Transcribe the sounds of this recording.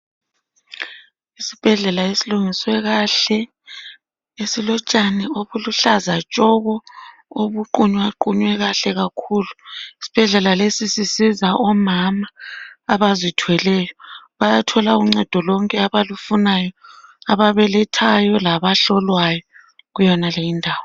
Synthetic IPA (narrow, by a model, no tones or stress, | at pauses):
isib̥ʱɛɮɛlaesiluŋiswɛɣaɬɛ | esilɔt͡ʃʼanɛoβuluɬazat͡ʃʼɔɣɔ | oβuǃuɲwaǃuɲwɛɣaɬɛɣakʰuːluisi̥b̥ʱɛɮɛlalesisisizaʔɔmamaːβazitʰwɛlɛːjɔβajatʰɔlauŋ͡ǀɛd̥ʱɔlɔŋkʼɛaβalufunajɔaβaβɛlɛtʰajɔlaβaɬɔlwajɔ | ɣujɔnalejindʱaːwɔ